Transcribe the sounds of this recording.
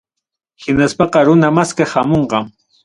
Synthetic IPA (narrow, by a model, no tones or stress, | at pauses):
hɪnaspɑqɑɾʊnamaskahamoɴqɑŋ